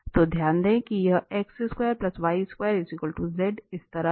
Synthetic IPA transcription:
t̪od̪ʱjaːnd̪ẽːkijɐeːksɪskweːəɾplɐsʋaːɪskweːəɾɪfiːkəlʈuzeɖɪst̪ɐɾə

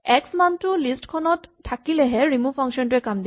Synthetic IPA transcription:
ɛksmantulisʈkʰɔnɔtʰːakilɛɦɛɹimupʰɔŋkʃɔntuɛkamd̪i

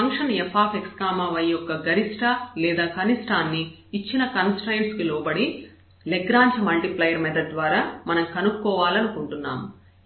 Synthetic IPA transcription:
ɐŋkʂɐnɛpʰaːpekskaːmaːʋɐjɔkːɐɡɐɾisʈɐlɛːd̪aːkɐnisʈaːnːiː | t͡ʃːinɐkɐnsʈɐjɳskilɔːbɐɽi | leɡɾaːɲt͡ʃɐmɐlʈiplɐjɐɾmɛd̪ɐd̪ʋaːɾaːmɐnɐmkɐnukkːɔːʋaːlɐnukuɳʈunːa̰ːmu

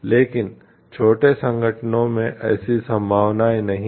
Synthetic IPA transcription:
leːkɪn | t͡ʃʰoːʈesɐ̃ŋɡʱəʈnõmẽʔɛːsisɐ̃mbʱaːʋnaːjnɐɦĩ

